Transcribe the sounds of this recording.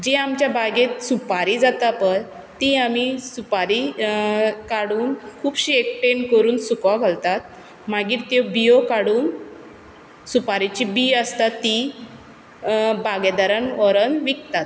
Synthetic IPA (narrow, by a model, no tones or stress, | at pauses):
d͡ʑeamt͡ɕjabʱaɡet̪supaɾid͡zat̪apəɾ | t̪iamisupaɾi | kaɽuːnkʰuːbɕiek̚ʈenkəɾuːnsukʋaɡʱalt̪at̪ | maɡiːɾt̪ebijokaɽuːn | supaɾit͡ɕibiəst̪at̪ːi | baɡed̪aɾənɔɾənʋikt̪at̪̚